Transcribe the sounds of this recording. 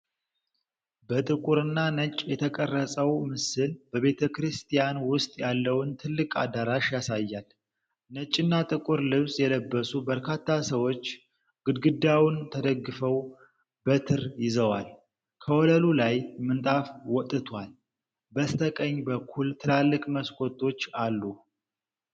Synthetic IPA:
bət̪ʼɨkʼuɾɨnːanət͡ʃʼjɛt̪ʰəkʼərːəsʼəwmɨsɨlb̥əβe̞t̪ʰəkɾɨst̪ʰijanwʊst̪ʼjalːəwnt̪ʰɨlːɨkʼa̰d̪aɾaʃjasajːal | nət͡ʃʼːɨnːat̪ʼɨkʼuɾlɨβsjɛləbːəsubəɾkʰat̪ːasəwo̞t͡ʃː | ɡ̥ɨd̪ɡɨd̪awnt̪ʰəd̪əɡːɨfəw | bət̪ʰɨɾjɪzəwal | kʰəwɔləlulajmɨnt̪ʼafwɔt̪ʼːɨt̪ʰwal | bəst̪ʰəkʼəɲːbəkʰːult̪ʰɨlalːɨkʼməskʼo̞t̪ʰʼːo̞t͡ʃːalːu

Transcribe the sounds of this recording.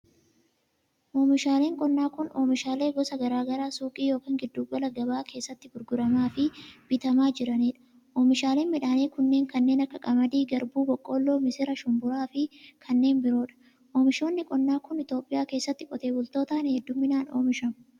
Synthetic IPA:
ʔo̞ːmɪʃaːle̞ːŋkʼɔnːaːkʊno̞ːmɪʃaːle̞ːɡɔsɐɡɐɾaːɡɐɾaːsuːkʼiːjo̞ːkiːŋɡɪd̪ːuːbɐlɐɡɐbaːkʰe̞ːsːɐt̪ːɪɡʊɾɡʊɾɐmaːfɪb̥ɪt̪ɐmaːd͡ʒɪɾɐniːᶑɐ̥ | ʔoːmɪʃaːleːnmɪᶑaːniːkʊnːe̞ːŋkɐnːeːnɐkːɐkʼɐmɐd̪iːɡɐɾbuːbɔkʼːo̞ːlːoːmɪsɪɾɐʃʊmbʊɾaːfɪkʰɐnːe̞ːnbɪɾo̞ːᶑɐ̥ | ʔoːmɪʃo̞ːnːɪkʼɔnːaːkʊnɪt̪o̞ːpʼːɪjaːkeːsːɐt̪ːɪkʼɔt̪e̞ːbʊlt̪o̞ːt̪aːnɛhɛd̪ːʊmːɪnaːno̞̰ːmɪʃɐmʊ

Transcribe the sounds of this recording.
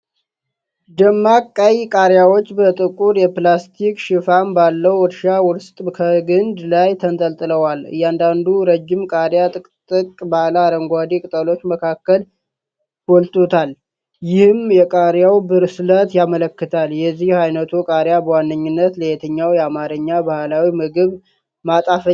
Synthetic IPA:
d̪əmːakʼːəjkʼaɾjawo̞t͡ʃːbət̪ʼɨkʼuɾjɛplast̪ʰikʃɪfambalːəwwɔɾʃawɔɾst̪ʼkʰəɡɨnd̪lajt̪ʰənt̪ʼəlt̪ʼɨləwalɨ̰jɛand̪and̪uɾəd͡ʒːɪmkʼaɾjat̪ʼɨkʼt̪ʼɨkʼbalaːɾəŋɡʷad̪ikʼɨt̪ʼəlo̞t͡ʃːməkʰakːəl | wɔlt̪ʰʼot̪ʰal | jɪhɨmjɛkʼaɾjawbɨɾslət̪jamələkːɨt̪ʰaljɛzːihhajnət̪ʰukʼaɾjabəwanːɨɲːɪnːət̪ləjet̪ʰəɲːawjɛamaɾəɲːabahlawimɨɡɨβ | mat̪ʼafə

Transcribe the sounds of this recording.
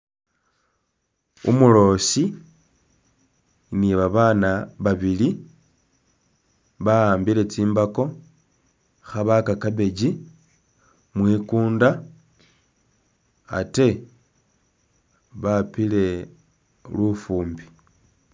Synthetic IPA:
ṵmulo̞ːsi | niβaβanaβaβili | βaaːmbile̞t͡siːmbako̞ | xaβakakaβe̞ɟi | mwiːkuːnda | a̰te̞ | βapile̞ | lufuːmbi̥

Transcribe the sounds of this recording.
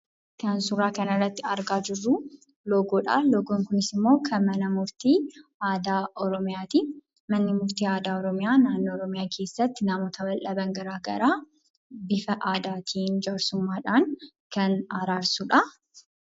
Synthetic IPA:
kɐnsʊraːkɐnɪrːɐt̪ːɪɐɾɡaːd͡ʒɪrːʊ | loːɡoːᶑa̰ːloːɡoːŋkʊnɪsɪmːo̞ːkʰɐmɐnɐmʊɾt̪iːʔaːd̪aːʔɔɾɔmɪjaːt̪iː | mɐnːɪmʊɾt̪iːaːd̪aːɔɾɔmɪjaːnaːnːoːɾɔmɪjaːkʰe̞ːsːɐt̪ːɪnaːmoːt̪ɐbɐlʔɐbɐŋɡɐɾaːɡɐ̰ɾaː | bɪfɐʔaːd̪aːt̪ʰiːnd͡ʒaɾsʊmːaːᶑaːŋ | kɐnɐɾaːɾsuᶑɐ

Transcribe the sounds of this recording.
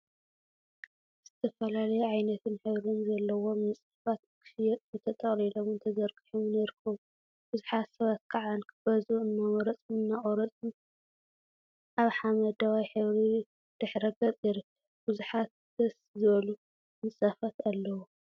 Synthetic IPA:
z̥ɨt̪ʰɐfɐlalɐjɛʕajnɐt̪ʰɨnħɨβɾɨnzɐlːɐwo̞mɨsʼafat̪kʰɨ̥fjɛt̪ʼzɨt̪ʰɐt̪ʼɐχʼlilomɨnt̪ʰɐzɐɾkʼiħomɨnajɾɨkʰːɐβu | b̥ɨzuħat̪sɐβat̪̚kʰaʕankʰɨb̥ɐzuɨnːɐwɐɾɐt͡sʼmɨnːaχʼɔɾɐt͡sʼɨn | ʔaβħamɐd̪awajħɨβɾi | d̪̥ɨħɾɐɡɐt͡sʼiɾɨkɐ | bɨzuħat̪̚ | d̪̥ɐs | zɨβɐlu | mɨsʼafat̪alːɐwu

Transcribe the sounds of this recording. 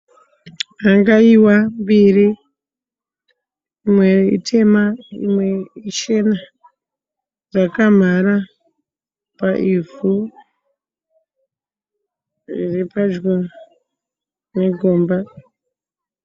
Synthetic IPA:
ɦaŋɡaiwambiri | mweḭtʰe̞maḭmwe̞it͡ʃe̞na | rakam̤ara | paʔivu | repad͡ʒɡo | ne̞ɡʱoːmba

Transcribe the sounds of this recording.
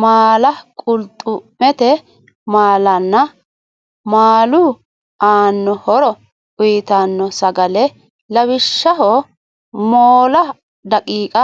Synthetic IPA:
maːlɐkʼʊlt̪ʼːʊmɛt̪ɛ | maːlɐnːɐ | maːlʊ | aːnːɔhɔɾɔ | ʔʊjɪt̪anːɔsɐɡɐlɛ | lɐwɪʃːɐɦɔ | moːlɐ | d̪ɐkʼiːkʼɐ

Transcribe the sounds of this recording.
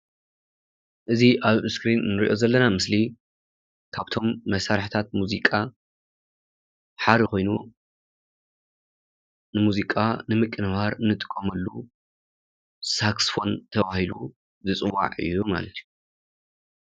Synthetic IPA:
ʔɨziʔaβɨskɾinːɨɾiʔo̞zɐlːɐnamɨsli | kʰaβt̪ʰo̞mːɐsaɾħt̪ʰat̪̚muzikʼa | ħaɾixo̞jnu | nɨmuzikʼanɨmɨkʼːɨnβaɾɨnːɨt̪ʼɨ̥kʼːɐmɐlːu | saksfo̞nt̪ʰɐβahilu | zɨt͡sʼɨwa̰ʕɨ̰jːuma̰lɐt̪ʰju

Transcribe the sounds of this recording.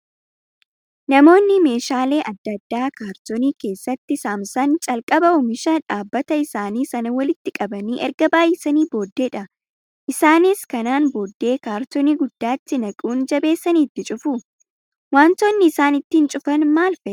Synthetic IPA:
nɐmo̞ːnːɪme̞ːʃaːle̞ːʔɐd̪ːɐd̪ːaːkaːɾt̪ɔniːke̞ːsːɐt̪ːɪsaːmsɐnt͡ʃʼɐlkʼɐbɐɔmɪʃaːᶑaːbːɐt̪ɐɪsaːniːsɐnɐwɐlɪt̪ːɪkʼɐbɐniːʔɛɾɡɐbaːjɛsɐniːbo̞ːd̪ːe̞ːᶑɐ | ʔɪsaːnɪskɐnaːnboːd̪ːe̞ːkaːɾt̪ɔniːɡʊd̪ːaːt̪ːɪnɐkʼuːnd͡ʒɐbe̞ːsːɐniːt̪ːɪt͡ʃʼʊfu | waːnt̪oːnːɪːsaːnɪt̪ːɪnt͡ʃʼʊfɐnmaːlfɛ

